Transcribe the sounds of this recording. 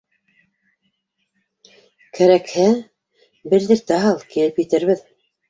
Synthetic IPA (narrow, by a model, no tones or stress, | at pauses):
kʰæɾækhæ | bɘ̆ððɘɾt̪æɦɑlˠkilɘpjɘ̆t̪ɘ̆ɾβɘð